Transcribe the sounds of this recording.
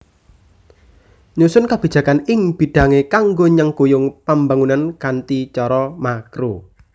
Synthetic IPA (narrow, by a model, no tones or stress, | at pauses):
ɲusʊnkab̥i̤̥d͡ʒ̥ä̤kanɪŋb̥i̤ɖ̥a̤ŋekaŋɡoɲəŋkojʊŋpambaŋunankant̪it͡ʃɔɾɔmakɾo